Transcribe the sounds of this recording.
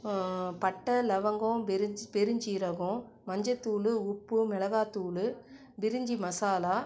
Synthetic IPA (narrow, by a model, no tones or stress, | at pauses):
pɐʈːɐlɐʋɐŋɡõbɛɾd͡ʒpɛɾɯɲd͡ʒiɾɐɣõ | mɐɲd͡ʒɐt̪ːuːlɯʊpːɯmɛlɐɣaːt̪uːlɯ | bɪɾɯɲd͡ʒimɐsaːlaː